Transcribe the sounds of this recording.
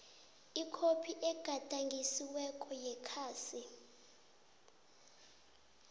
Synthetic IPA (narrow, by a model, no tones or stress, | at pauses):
ikʰopʰiʔɛɡ̥ʱad̥ʱaŋɡʱisiwɛkʰʼɔjɛkʰaːsi